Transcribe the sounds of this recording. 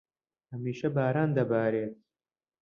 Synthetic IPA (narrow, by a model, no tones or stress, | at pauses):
hɐmiːʃɐbaːɾaːnd̪ɐbaːɾeːt̪̚